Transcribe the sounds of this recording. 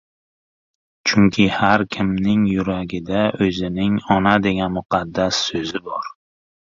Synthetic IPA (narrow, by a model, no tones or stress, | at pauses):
t͡ʃʰʊŋkʲʰɪhaɾkʲʰɪmnɪŋjʊɾaɡʲɪd̪aʔɵzɪnɪŋɒnad̪e̞ɡʲanmʊqʰɑd̪ːasːɵzɪbɒɾ